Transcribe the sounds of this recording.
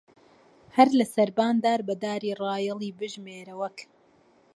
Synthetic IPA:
hɐɾlɐsɐɾbaːnd̪aːɾbɐd̪aːɾiːrˤɑːjɛlˠiːbɨʒmeːɾɐwɐk

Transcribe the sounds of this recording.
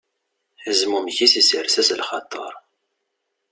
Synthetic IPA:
ħəzmumçisisəɾsæslχɑt̪ˤːəɾˤ

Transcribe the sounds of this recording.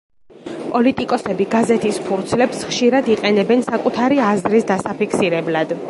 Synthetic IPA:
pʼɔlit̪ʼikʼɔsɛbiɡazɛt̪ʰispʰuɾt̪sʰlɛpsχʃiɾad̪iqʼɛnɛbɛnsakʼut̪ʰaɾiazɾisd̪asapikʰsiɾɛblad̪

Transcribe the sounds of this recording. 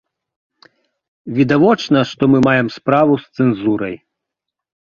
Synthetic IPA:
vʲid̪avɔt͡ʂnɐʂt̪ɔmɨmajɛmspɾavust̪sɛnzuɾɐj

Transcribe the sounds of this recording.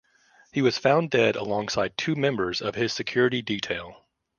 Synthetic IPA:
hiwʌz̥fãʊ̃ndɛɾə̰lɔ̃ŋsaɪd̚tʰʉmɛ̃mbə˞zʌv̥ɪz̥sɨkʰj̥ʊɹɨɾiditʰeɪlˠ

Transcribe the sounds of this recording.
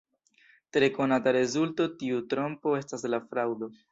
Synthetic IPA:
tɾe̞ko̞nataɾe̞zulto̞tiutɾo̞mpo̞e̞staslafɾawdo̞

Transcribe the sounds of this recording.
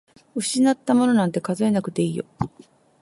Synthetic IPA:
ɯ̟ɕinat̪ːamo̞no̞nãnt̪e̞kazoe̞nakɯ̟t̪e̞iːjo̞̰

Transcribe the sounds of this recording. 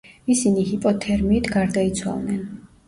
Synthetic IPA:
isinihipʼɔt̪ʰɛɾmiːt̪ʰɡaɾd̪ait̪sʰwa̰lˠnɛn

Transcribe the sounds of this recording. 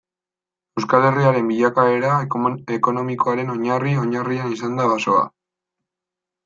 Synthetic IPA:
ewskale̞riaɾe̞mbiʎakae̞ɾae̞ko̞no̞miko̞aɾe̞no̞ɲario̞ɲarianisand̪aβaso̞a̰

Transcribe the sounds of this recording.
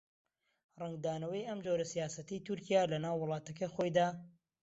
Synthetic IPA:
rɛŋɡd̪aːnɐwəjɐmd͡ʒoɾɐsijaːsɐt̪it̪uɾkijaːlɐnaːwːʊlˠɑːt̪ɐkɐjxojd̪aː

